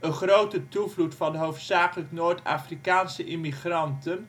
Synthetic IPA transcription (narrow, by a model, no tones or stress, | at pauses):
ənχrowtətuvlutfɑndəɦowftsaːkələknoːɹta̰ːfrikaːnsəʔɪmiχrɑntən